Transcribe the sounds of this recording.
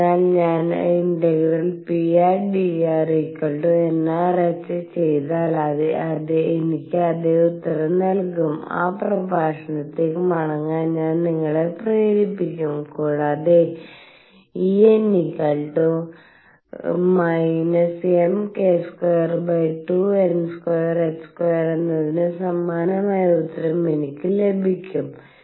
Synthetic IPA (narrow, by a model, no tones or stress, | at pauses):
aːnɲaːniɳɖeɡrɐlpiaːrɖiaːrikːɐɭɖuenːerɐt͡ɕːɨt͡ɕe̞jt̪aːlɐðeɐðeenikʲːɨɐðeut̪ːɐrɐnɐlkuma̰ːprɐbʱaːʂɐɳɐt̪ːemɐɳɐŋːaːnɲaːnniŋːɐɭeprejɾipːikʲːumkoːɽɐðe | iːenːikɐɭʈu | mɐjnɐsemkeːskojɐrbɐjʈːuenskojɐreskwojɐrenːɐðinɨsɐmːaːnɐmaːjɐut̪ːɐrɐmenikʲːɨle̞bʱikʲːum